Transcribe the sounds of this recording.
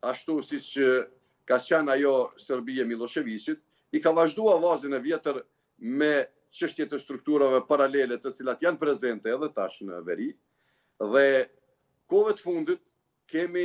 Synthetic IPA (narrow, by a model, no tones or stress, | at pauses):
aʃt̪usit͡ʃə | kat͡ʃɛnajɔsɛɾbiɛmilˠɔʃɛvisit̪̚ | ikavaʒd̪uavazinɛvjɛt̪əɾ | mɛ | t͡ʃəʃt̪jɛt̪ɛst̪ɾuk̚t̪uɾavɛpaɾalɛlɛt̪ət͡silat̪janpɾɛzɛnt̪ɛːðɛt̪aʃnə̰vɛ̰ɾi | ðɛ | kɔvɛt̪əfund̪it̪̚ | kɛmi